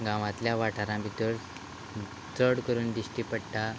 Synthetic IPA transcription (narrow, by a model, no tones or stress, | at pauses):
ɡãʋãt̪ljaʋaʈʰaɾãbʱit̪əɾ | t͡səɽkəɾuːnd̪iɕʈiːpəɽʈa